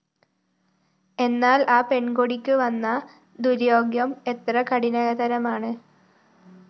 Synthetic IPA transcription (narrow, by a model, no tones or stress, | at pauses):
e̞nːaːlaːpe̞ɳɡoɽikʲːɨʋɐnːɐ | d̪uɾjo̞ːɡjɐme̞t̪rɐkɐɽinɐɣɐd̪ɐɾɐmaːɳɨ